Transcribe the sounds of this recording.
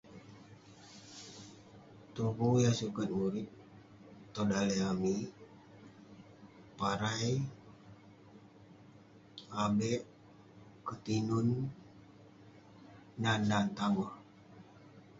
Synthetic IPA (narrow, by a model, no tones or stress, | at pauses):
t̪ukujasukat̪̚muɾit̪̚ː | odaleami | paɾaj | abɛʔ | kət̪inun | anːant̪aŋɔh